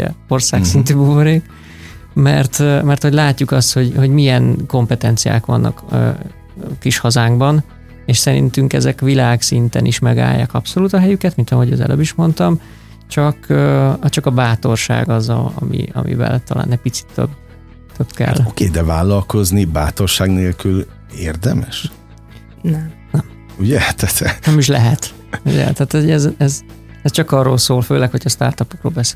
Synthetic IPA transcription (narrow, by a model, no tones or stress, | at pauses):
ɛ̰o̞rsaːsint̪yːbuvoɾeːk | mɛrt̪mɛrt̪ho̞ɟlaːcːukɒst̪ho̞ɟho̞ɟmijɛnko̞mpɛt̪ɛnt̪sija̰ːkʋɒ̰nːɒ̰kː | kiʃhɒzaːŋɡbɒn | eːʃsɛɾḭnt̪yŋkɛzɛkʋilaːksint̪ɛnʔiʃmɛɡa̰ːjːa̰ːkɒpso̞luːt̪ɒɦɛjykɛt̪mint̪ɒɦoɟøːzɛ̰lʔø̰ːbiʃmo̞nt̪ɒm | t͡ʃɒkːt͡ʃɒkɒbaːt̪o̞rʃa̰ːɡɒzɒɒ̰mḭɒ̰mḭvɛ̰lt̪ɒla̰ːnɛc̚ʲpit̪si̥t̪ːø̰b | t̪ʰøbkɛ̰lːokeːd̪ɛvaːlːɒlko̞znibaːt̪orʃaːɡneːlkyl | eːrd̪ɛmɛʃ | nɛm | nɛm | uɟɛt̪ʰɛt̪ʰɛɛmiʃ̬lɛɦɛt̪ | uɟɛ̰t̪aːt̪ɛɛzɛz | ɛst͡ʃɒkɒrːoːlsoːlføːlɛkhocʰɒst̪a̰ːrt̪ɒpokroːlbɛse̥ː